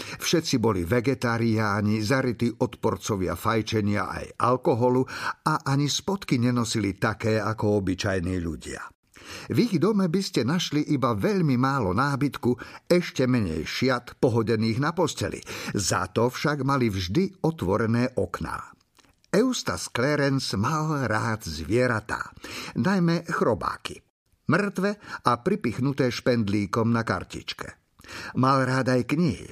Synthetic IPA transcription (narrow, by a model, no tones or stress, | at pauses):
fʃɛt̪t͡sibɔliʋɛɡɛt̪aːɾiaːɲizaɾit̪iʔɔt̪pɔɾt͡sɔʋɪa̰fajt͡ʃɛɲɪa̰ʔa̰jʔalkɔɦɔluaʔaɲispɔt̪kiɲɛnɔsilit̪akɛːakɔɔbit͡ʃajniːʎṵɟɪa̰ | viɣd̪ɔmɛbiscɛnaʃliʔibaʋɛʎmimaːlɔnaːbit̪kuɛʃcɛmɛɲɛ̰jʃɪat̪pɔɦɔɟɛniːɣnapɔscɛ̰lḭza̰t̪ɔfʃaɡmalivʒd̪iɔt̪ʋɔɾɛnɛːʔɔkna̰ː | ɛʊst̪a̰sklɛɾɛnsmalɾaːd̪zʋɪɛɾat̪a̰ːnajmɛxɾɔba̰ːki | mr̩t̪ʋɛapɾipixnut̪ɛːʃpɛnd̪liːkɔmnaka̰ɾcḭt͡ʃkɛ̥̰ | malɾaːd̪ajkɲiɦḭ